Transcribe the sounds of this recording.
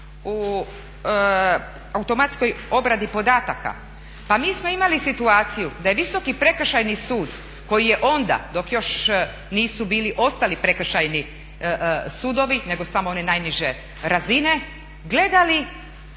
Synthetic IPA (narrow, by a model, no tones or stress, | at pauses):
u | aut̪o̞mat̪sko̞jo̞bɾad̪ipo̞d̪aːt̪aka̰ | pamiːsmo̞imalisit̪uaːt̪sijud̪ajeʋiso̞kipɾe̞kr̩ʃajnisuːd̪ | ko̞jije̞ʔo̞nd̪a̰d̪o̞kjo̞ʃ | niːsubiːliʔo̞st̪alipɾe̞kr̩ʃajni | suːd̪o̞ʋine̞ɡosamoo̞ne̞najniʒe | ɾazine̞ | ɡle̞d̪ali